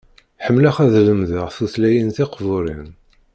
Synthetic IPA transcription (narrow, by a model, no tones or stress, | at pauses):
ħəmːləχæðləmðəʁθuθlæjinθɪqvʊɾˤin